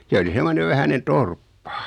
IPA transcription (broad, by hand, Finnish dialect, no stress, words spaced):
se oli semːoneʋ ʋæhænen torpːɑ